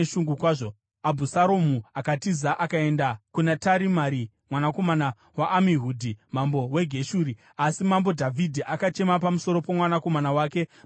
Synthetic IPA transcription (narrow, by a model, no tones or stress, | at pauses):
ʃuŋɡukwaːʐo | abʱusaɾo̞muakatizaʔakae̞ndakunataɾimaɾi | mwanako̞mana | waʔːmiɦuːdʱimambo̞we̞ɡʱe̞ʃuːɾi | asimambo̞dʱavʱidʱiʔakat͡ʃe̞mapamuso̞ɾo̞pomwanako̞manawaːke̞